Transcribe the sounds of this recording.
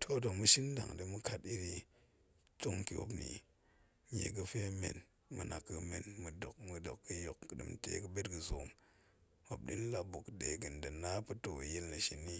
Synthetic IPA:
tʰo˦˨do˨kmu˦ʃi˦n˦da̰˨ŋdi˨˦mu˦ka˦ti˦ɾi˧ | to˦ŋki˨o̰˦pnḭ˨ | ɲḛ˨ɡ̬ə˨fe˦mḛ˨n | mɨ̰˨nʔa˨kːə˨me˨nmɨ˨do˨k̚mu˨do˨kːə˦jo˨kːdɨ̰˨m˨tḛ˨kɨ˦be˦tɡə˨zo˨m | o˨b̚dḭ˦n˦la˦bu˨kde˨˦ɡɨ˨n˨dɐ˨na˦pu˦to˨je˦lnɐ˨ʃi˨nːi˦

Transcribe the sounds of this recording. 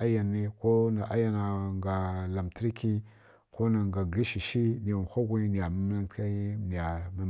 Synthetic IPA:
a˦ja˨nːi˦ko˦na˨ʔa˦ja˦na˨ŋɡa˨la˨mtə˦ɾi˦ki˦ | ko˦na˨ŋɡa˨ɡli˦ʃi˨ʃi˦ni˨xʷa˦ɡʷi˦ni˨ja˨ma˦m˦na˦tka˦ni˨a˨ma˦

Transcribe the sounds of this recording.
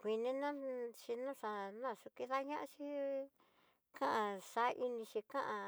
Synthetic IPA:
kʷi˧nĩ˦nã˦t͡ʃi˧nã˦˨ʂa˧nã˦˨su˧ki˧ða˦ɲã˦ʔã˧˦t͡ʃi˦ | kã˦ʔã˧ʂa˨˦ʔi˧nĩ˧t͡ʃi˧kã˦ʔã˧

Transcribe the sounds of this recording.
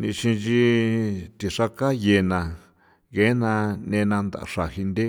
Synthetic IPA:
nḭ̃˧ʃĩ˧t͡ʃi˧ | t̪i˨ʂa˧ka˦je˧˨nã˨ | ɣe˨˦nã˧nẽ˧nã˧nd̪a̰˨˧ʂa˨hi˧nd̪e˦

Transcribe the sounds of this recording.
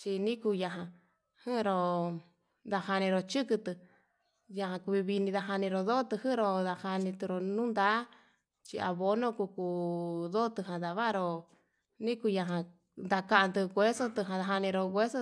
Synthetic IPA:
t͡ʃi˧nĩ˦ku˧ja˧ɦã˧ | hɨ̃˦˧ɾo˧ | d̪a˧ha˧nĩ˧ɾo˧t͡ʃɨ˦kɨ˧t̪ɨ˧ | ja˧ɦã˧ku˧βi˧βi˧nĩ˧ða˧ɦa˧nĩ˧ɾo˧ðo˦t̪ɨ˧hɨ˦ɾo˧ða˧ha˧nĩ˧t̪ɨ˧ɾo˧nũ˦nd̪a˦ | t͡ʃi˧a̰˧βo˧nõ˦ku˧ku˧ðo˦˧t̪ɨ˧ɦã˧ða˧βa˦˧ɾo˧ | nĩ˦ku˧ja˧ɦã˧ | nd̪a˧ka˧ã˧nd̪ɨ˧ɣʷe˦so˦t̪ɨ˧ɦã˧ða˧ɦa˧nĩ˧ɾo˧ɣʷe˦so˦

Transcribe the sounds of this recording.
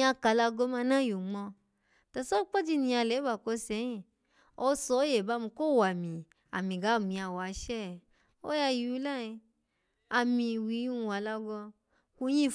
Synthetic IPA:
a˧ka˨˧la˧ɡɔ˧˦mã˧nã˦˨jo˨ŋ͡mɔ̃˧ | ta˨so˦k͡pɔ˦di˦˧nĩ˧a˧lɛ˨˦ba˨ko˧˦sɛ̃˨˧˦ĩ˦˨ | o˧˦sɔ˨˧˦je˨ba˨˦mĩ˧ko˦˨wa˨mĩ˨ | a̰˨mĩ˨ɡa˨˦˨mĩ˧a˧wa˨˧˦ʃɛ˦˨ | o˦ja˧ji˧u˧˦la˦˨ĩ˧ | a˧mĩ˧wi˧˦u˦˧˨wa˨la˧ɡɔ˧ | ku˧˦j̃ĩ˦˨

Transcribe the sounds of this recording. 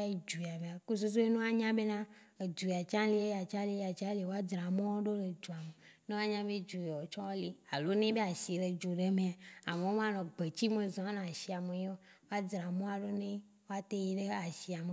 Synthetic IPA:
i˦d͡ʒu˨a˨mẽ˨a˨ku˦s̬u˦s̬u˦e˦nũ˦a˦ɲã˦be˦nã˦ | e˨d͡ʒu˨ja˨t͡ʃã˦li˦e˦ja˨t͡ʃã˦li˦e˦a˨t͡ʃã˦li˦˨wo˦a˦dɾã˨mɔ̃˦wo˦ɖo˦le˨d͡ʒu˨a˨me˨ne˦wo˦a˦ɲã˦be˦d͡ʒu˨e˨wɔ˨t͡ʃɔ̃˦wo˦li˦a˨lo˦nẽ˦be˦a˨si˨e˨ɖe˨d͡ʒu˨ɖe˦me˨a˨a˨me˨o˦m˦ã˦nɔ̃˨ɡ͡be˨t͡ɕi˦mẽ˨zɔ̃˨a˦nã˨ʃi˨a˨me˨ɲ˦o˦ | wo˦a˦dɾa˨mɔ̃˦a˨ɖo˦nẽ˦ | wo˦a˦t̪e˦ji˦ɖe˦a˨si˨a˨me˨

